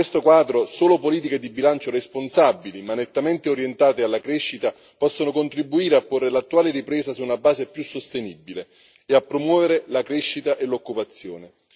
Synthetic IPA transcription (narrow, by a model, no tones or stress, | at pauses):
west̪okwaːd̪ɾosoːlopoliːt̪iked̪ibilant͡ʃoresponsabːilimanːet̪ːament̪eoɾjent̪aːt̪ealːakɾeʃːit̪a | pɔsːonokont̪ɾibːuiːɾeapːorːelat̪ːuaːleɾipɾɛːsasuːnabaːzepjusːost̪enibːile | eapːɾomwɔːveɾelakɾeʃːit̪aʔelokːupat̪sːjoːne